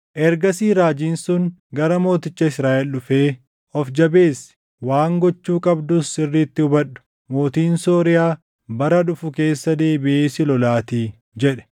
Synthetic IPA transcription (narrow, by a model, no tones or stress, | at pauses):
ʔɛɾɡɐsiːɾaːd͡ʒiːnsʊŋɡɐɾɐmo̞ːt̪ɪt͡ʃːɐɪsɾaːʔɛlᶑʊfeː | ʔɔfd͡ʒɐbe̞ːsɪ̥ | waːŋɡɔt͡ʃːuːkʼɐbd̪ʊsɪrːiːt̪ːɪʊbɐɗʊ̥ | mo̞ːt̪iːnsoːɾɪjaː | bɐɾɐᶑʊfʊke̞ːsːɐd̪e̞ːbɪʔeːsɪlɔlaːt̪iː | d͡ʒɛᶑɛ̥